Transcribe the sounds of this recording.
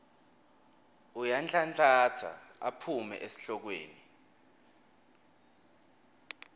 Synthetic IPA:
ujant͡ɬʰʼant͡ɬʼat͡sʰa̰apʰumɛ̰ʔesi̥ɬɔk̬wḛːni

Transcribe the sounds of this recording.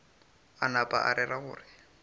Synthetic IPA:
anapʼa̰ʔa̰ɾʔɛraɣʊːrɪ

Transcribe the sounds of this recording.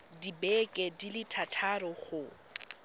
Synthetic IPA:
dibɛkʼɛdilɪtʰatʰaɾɔχʊ

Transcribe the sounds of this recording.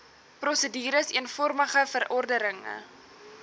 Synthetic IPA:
prɔsədiːɾəsiənfɔrməχəfəɾʔɔrdəɾəŋə̰

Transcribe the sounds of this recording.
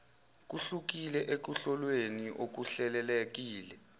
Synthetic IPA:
k̬uɬuk̬ilɛʔek̬uɬɔlweniʔok̬uɬɛlɛlɛk̬iːlɛ

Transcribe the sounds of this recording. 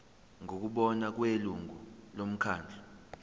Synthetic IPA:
ŋok̬uɓɔnak̬weluŋɡulom̩kʰaːnd͡ɮʱa

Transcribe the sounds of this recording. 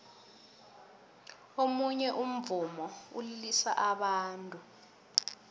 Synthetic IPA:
omuɲɛʔum̩vumɔṵlilisa̰ʔaɓaːntʼu

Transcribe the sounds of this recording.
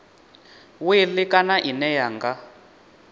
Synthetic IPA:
wɪlɪkʼanaʔinɛjaŋɡa

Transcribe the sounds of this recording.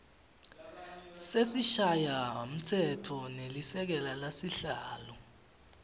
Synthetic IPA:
sesiʃajam̩tʰɛtʰɔnelisɛk̬ɛlalasiɬaːlɔ

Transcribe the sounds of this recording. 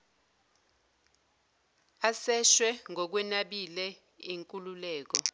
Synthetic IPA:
asɛʃwɛŋʱɔk̬wɛnaɓilɛ | iŋkʼululɛːk̬ɔ

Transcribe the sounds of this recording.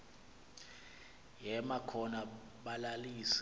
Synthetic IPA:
jɛmakʰɔna | ɓalaliːs

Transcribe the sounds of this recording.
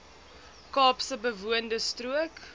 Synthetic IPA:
kɑːpsəbəvuəndəstruək

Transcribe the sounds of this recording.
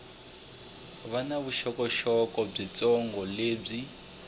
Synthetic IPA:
βanaβuʃɔkɔʃɔkɔb͡ʐit͡sɔŋɡɔleːb͡ʐi

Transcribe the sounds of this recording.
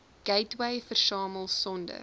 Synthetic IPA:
ɡ̥ɛjtwɛjfərsɑːməlˠsɔndə̰r

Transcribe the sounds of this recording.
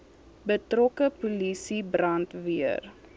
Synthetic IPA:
bətrɔkəpulisibrɐntviər

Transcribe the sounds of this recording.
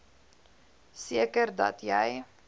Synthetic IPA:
siəkərdɐ̰tjɛj

